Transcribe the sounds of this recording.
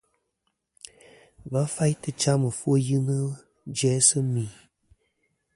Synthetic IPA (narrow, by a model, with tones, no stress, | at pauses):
ba˨˦fa˦jtɨ˦t͡ʃa˦mɨ˨fwo˦jɨ˦nə˦ | d͡ʒɛ˦sɨ˦mi˨